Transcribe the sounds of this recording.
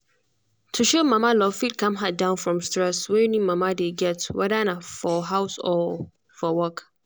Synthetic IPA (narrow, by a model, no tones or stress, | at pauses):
tʰuʃomãmalɔfit̚kʰãmɦat̚dãʊ̃nfɹɔ̃mstɹɛswɛ̃junĩmãmadeɡɛtwɛdanafɔɦaʊsɔ | fɔwɔk